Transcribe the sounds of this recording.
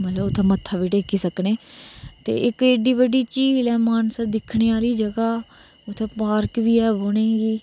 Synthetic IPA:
mət̪ləbʊt̪ʰːẽːmət̪ʰːaːʋiːʈeːkiːsəkneːt̪ḛːʔɪkeːɖiːʋəɖiːt͡ʃiːlɛːmaːnsəɾd̪ɪkʰɳeːaːliːd͡ʒəɡaː | ʊt̪ʰːeːpaːɾkʋiːɛːɦoːñẽːɡiː

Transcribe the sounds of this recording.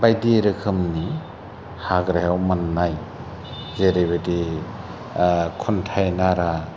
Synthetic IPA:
bajdiɾɯkʰɯmni | haɡɾajawmanːaj | zeɾejbɯdi | kʰuntʰajnaɾa

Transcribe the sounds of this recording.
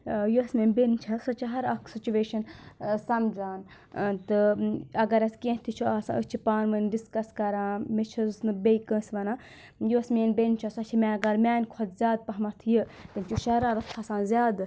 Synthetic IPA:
juɐsmeːnbent͡ʃʰɐsɐt͡ʃʰiɦɐɾɐkʰsit͡ʃuʋeːʃɐnsɐmd͡zaːn | t̪ɨɐɡɐɾɐskẽɦt̪ʰit͡ʃʰuaːsã̰ːʔət͡ʃʰipaːnmɐnɖiskɐskɐɾãːmet͡ʃʰusnɨbʲejkə̃ːsʋɐnaː | juɐsmeːnbent͡ʃʰasɐt͡ʃʰimʲẽɐɡɐɾmʲaːnʲkʰod̪zʲjaːd̪̚pɐɦmɐt̪ʰjɨt̪ɐnt͡ʃʰuʃɐɾãːɾɐt̪ʰasãːnzʲjaːd̪

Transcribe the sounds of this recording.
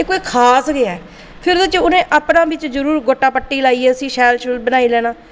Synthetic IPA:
eːkoːiːkʰaːsɡeaː | pʰɪɾd̪ʊt͡ʃʊnẽːʔaːpnãːbɪt͡ʃzəɾuːɾɡoːʈːaːpəʈːiːlaːiːɛːəsĩːʃɛːlʃlbənaːiːlɛːnãː

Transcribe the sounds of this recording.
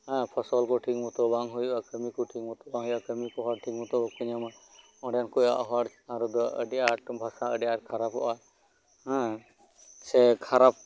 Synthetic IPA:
ɦãpʰɔsɔlkɔʈʰikmɔt̪ɔbaŋɦujakəmikɔʈʰikmɔt̪ɔbaŋɦɔjakəmikɔɦɔɾ̚ʈʰikmut̪ɔbɔkuɲama | ɔ̃ɖɛankɔja̰ʔɦɔɾt͡ʃaɾɔd̪ɔə̰ɖiaʈbʱasaəɖɛjaʈ̚kʰaɾapɔ̰ʔa | ɦã | sɛkʰaɾap̚

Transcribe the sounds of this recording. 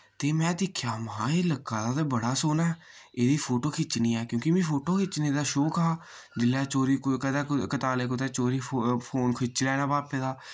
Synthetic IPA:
t̪eːmɛ̃ːd̪ɪkʰjaːməɦãːeːləkːaːd̪aːt̪abəɽaːsoːnaː | eːd̪iːpʰoːʈoːkʰɪt͡ʃniːɛːkjõːkimĩːpʰoːʈoːkʰɪt͡ʃneːd̪aːʃoːkaː | d͡ʒɪlːɛːt͡ʃoːɾiːkkəd̪ɛːkət̪aːleːkot̪ɛːt͡ʃoːɾiːpʰoːnkʰɪt͡ʃlɛːnãːbaːpẽːd̪aː

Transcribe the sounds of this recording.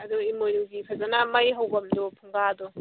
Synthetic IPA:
ɐd̪ɔimojɾuɡipʰɐzanamɐjɦɐwbɐmdɔpʰuŋɡad̪ɔ

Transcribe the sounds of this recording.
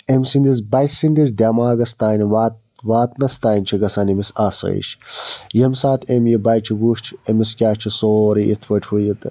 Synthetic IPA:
emsind̪is̬bɐjsind̪is̬d̪ʲaːmaːɡɐst̪aːnʋat̪ | ʋaːt̪nɐst̪aːjnʲt͡ʃʰiɡɐsɐːnimisaːsɾḛːʃjɐmsaːt̪ʰemjibɐjt͡ʃʰibuːʃt͡ʃʰemiskʲaːt͡ʃʰisoːɾiʔḭt̪ʰʋɐʈʰwujit̪

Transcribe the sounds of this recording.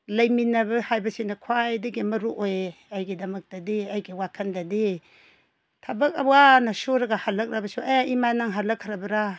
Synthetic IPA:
lɐjminɐbɐhajbɐsinɐkʰwajdiɡemɐɾuʔojajɡidɐmɐk̚d̥ɐdeajɡiwakʰɐndɐde | tʰabɐk̚awanɐsoɾɐɡahalɐk̚ɾabɐsuʔeimanaŋɦalɐkʰːɾabɐɾa

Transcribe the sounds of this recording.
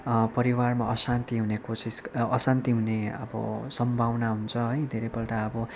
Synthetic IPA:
pʌɾiwarmaʌsant̪iɦunekosisʌsant̪iɦuneʌ̰bʌ̰sʌmbʱawnaɦunt͡sʰʌɦʌjd̪ʱeɾʌjpʌlʈaʌbʌ

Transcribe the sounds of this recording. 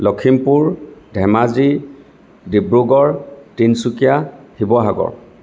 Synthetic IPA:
lɔkʰimpuɹdʱɛmazi | dibɹuɡɔɹtinsukijahibɔɦaɡɔ̰ɹ

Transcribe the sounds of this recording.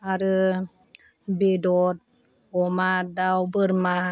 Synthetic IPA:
aɾɯ | bedɔt̪̚ | ɔmadawbɯɾma

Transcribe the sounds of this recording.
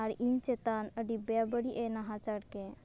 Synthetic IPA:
aɾʔiŋt͡ʃet̪anəɖibjabəɽiʔenaɦat͡ʃaɽke

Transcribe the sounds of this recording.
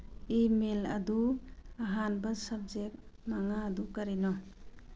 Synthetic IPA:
imelɐ̰d̪uaɦanbasab̚zek̚maŋaːd̪ukaɾinɔ

